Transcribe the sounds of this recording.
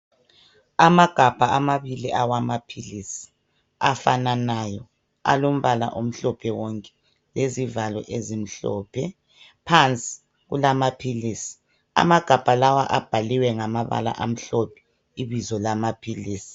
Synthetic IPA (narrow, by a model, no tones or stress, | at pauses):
amaɡ̥ʱab̥ʱaamaβiliʔawamapʰilisi̥ | afananajɔ | a̰lom̩βala̰ʔom̩ɬɔpʰɛwɔŋkʼɛ̥ | lezivalɔ̰ʔezim̩ɬɔ̰ːpʰɛ | pʰant͡sʼi̥ | ɣṵlamapʰiliːsi̥ | a̰maɡ̥ʱab̥ʱalawaʔab̥ʱaliwɛŋamaβa̰la̰ʔam̩ɬɔpʰɛ̥ | iβizɔlamapʰiliːsi̥